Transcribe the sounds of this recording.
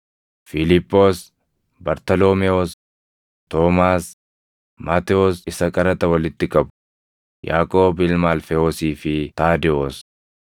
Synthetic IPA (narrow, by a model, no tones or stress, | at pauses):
fɪlɪpːo̞ːs | bɐɾt̪ɐloːmɛos | t̪oːmaːs | maːt̪ɛɔsɪsɐkʼɐɾɐt̪ɐwɐlɪt̪ːɪkʼɐbʊ | ja̰ːkʼoːbɪlmaːlfɛoːsiːfɪt̪aːd̪ɛoːs